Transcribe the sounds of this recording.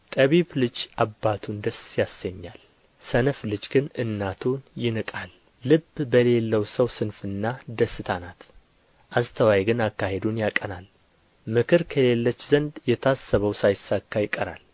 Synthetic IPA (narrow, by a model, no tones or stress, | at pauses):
t̪ʼəβiβlɨd͡ʒʔabːat̪ʰund̪əsjasːəɲːal | sənflɨd͡ʒɡɨnɨnːat̪ʰunjɪnɨkʼalː | ɨbbəle̞lːəwsəwsɨnfɨnːad̪əsːɨt̪ʰanat̪ | ʔast̪ʰəwajɡɨnakːahe̞d̪unjakʼːənal | mɨkʰɨɾkʰəle̞lːət͡ʃːzənd̪jɛt̪ʰasːəβəwsajɪsːakʰːajɪkʼːəɾa̰l